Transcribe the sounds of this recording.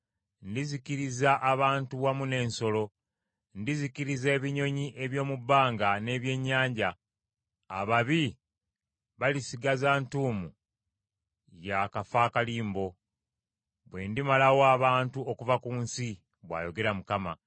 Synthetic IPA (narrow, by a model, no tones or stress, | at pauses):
ndizikiɾizaʔːβaːntuwamune̞ːnso̞lo̞ | ndizikiɾize̞ːβiɲo̞ɲiʔe̞βjo̞ːmubːaːŋɡane̞ːβje̞ɲːaːɲɟa̰ː | βaβi | βalisiɡazaːntuːmu | jakafaːkaliːmbo̞ | βwe̞ndimalawoaːβaːntuokuvakuːnsi | βwa̰ːjo̞ɡe̞ɾamukama̰